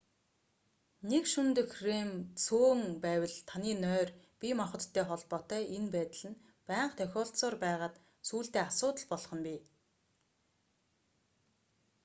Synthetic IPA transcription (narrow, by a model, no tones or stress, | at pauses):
nekʃɵmt̪ɵ̆xremt͡sʰoːŋpæːwə̆ɮt̪ʰaniːnœːr | pʲimɔχɞ̆t̪ʰːæːχɔɮpɔːt̪œːʔenpæːt̪̆ɮɘ̆n | pæːɴqt̪ʰœxʲɔːɬsɔːrpæːʁaːt̪ | suːɬt̪eːasʊːt̪ə̆ɮpɔɮχɞ̆npʲi